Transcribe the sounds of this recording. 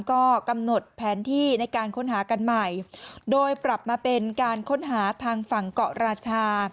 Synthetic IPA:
kɔː˥˩ka˧mno˨˩t̪̚pʰɛː˩˦nt̪ʰiː˥˩na˧jkaː˧nkʰo˦˥˨nɦaː˩˦ka˧nma˨˩jdoː˧jpɾa˨˩p̚maː˧pe˧nkaː˧nkʰo˦˥˩nɦaː˩˦t̪ʰaː˧ŋfa˨˩ŋkɔ˨˩ʔɾaː˧t͡ɕʰaː˧

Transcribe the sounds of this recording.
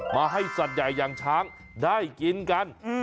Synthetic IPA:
maː˧ɦa˥˩jsa˨˩t̪̚ja˨˩jːaː˧ŋt͡ɕʰaː˦˥ŋ | daː˥˩jki˧nka˧n

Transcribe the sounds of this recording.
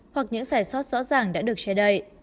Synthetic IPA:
hwa˨˩k̚ɲɨ̰˧˥ŋzaː˧˩jswɔ˦˥t̚zɔ̰˧˥t̚zaː˨˩ŋɗa̰ː˧˥ɗɨ˨˩ək̚t͡ɕɛ˧ɗə˧j

